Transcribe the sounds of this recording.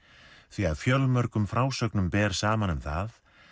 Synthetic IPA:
θviaɾfjœlmœɾkʏmfɾaːwsœknʏmpɛːɾ̥saːmanʏmθað

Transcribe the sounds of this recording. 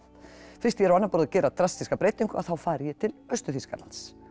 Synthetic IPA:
fɪ̥rst̪jɛɾawanːapɔɾðacɛːɾat̪ɾast̪iskapɾeːjt̪iŋkʏa̰θawfaːɾɪjɛt̪ʰɪlœɥst̪ʏθiska̰la̰ns

